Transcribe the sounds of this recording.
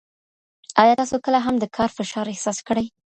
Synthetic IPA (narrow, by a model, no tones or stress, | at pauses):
ɑjɑt̪ɑsokəlaɦamd̪əkʰɑɾfɪʃɑɾɪhsɑskəɽaj